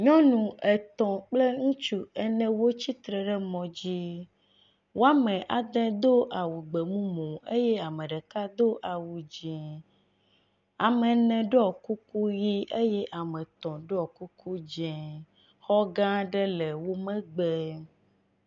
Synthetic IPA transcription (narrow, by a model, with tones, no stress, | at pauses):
ɲɔ̃˦nũ˨ʔe˨t̪ɔ̃˨k͡ple˦ŋũ˦t͡ʃu˦ɛ˨nɛ̃˨wo˦t͡ɕi˦t̪ɾɛ˨ɖɛ˦mɔ̃˨d͡ʑi˦ | wo˦a˦mɛ̃˨ʔa˨d̪ɛ̃˦d̪o˦ʔa˨wu˨ɡ͡be˨mũ˦mõ˨e˦jɛ˦a˨mɛ̃˨ɖɛ˨ka˦d̪o˦ʔa˨wu˨d͡ʒɛ̃˨ | a˨mɛ˨nɛ̃˨ɖo˦ɔ˨ku˦ku˦ji˦ʔe˦jɛ˦ʔa˨mɛ̃˨t̪ɔ̃˨ɖo˦ɔ˨ku˦ku˦d͡ʒɛ̃˨ | xɔ˦ɡã˦ɖɛ˦le˨wo˦mɛ̃˦ɡ͡be˦